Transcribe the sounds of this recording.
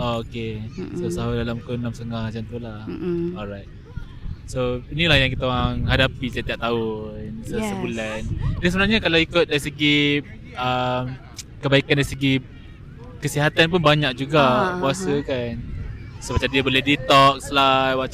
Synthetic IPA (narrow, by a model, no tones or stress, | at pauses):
ookesosaɦudalamkunamsəŋahat͡ʃant̪ulahɔlɾajt̪̚ | soinilahjaŋkit̪aoɣaŋɦadapit̪iat̪iaʔ̚t̪aunsəsəbulandɛnsəbənarɲakalaikʊt̪̚daɾisəɡi | əm | kəbaikandaɾisəɡi | kəsiɦat̪anp̬ʊnbaɲak̚d͡ʒuɡakuasəkansobat͡ʃadiabolɛhdit̪ɔk̚slawat͡ʃ